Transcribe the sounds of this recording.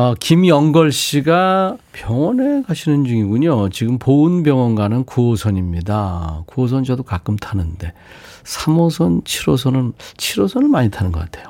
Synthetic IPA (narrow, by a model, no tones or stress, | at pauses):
kimjʌŋɡʌɭɕ͈iɡapjʌŋʌnekaɕʰinɯnd͡ʑuŋiɡuɲot͡ɕiɡɯmpoɯnbjʌŋʌnɡanɯnkuʌsʰʌɲimɲidakuʌs̬ʰʌnd͡ʑʌdokak͈ɯmtʰanɯnde̞ | sʰamʌsʰʌnt͡ɕʰiɾosʰʌnɯnt͡ɕʰiɾosʰʌnɯɭmaɲitʰanɯnɡʌk͈atʰe̞jo